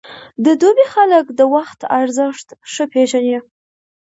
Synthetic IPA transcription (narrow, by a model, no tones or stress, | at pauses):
d̪əd̪obexaləkd̪əwaxt̪aɾzəʂt̪ʂəpʰeʒane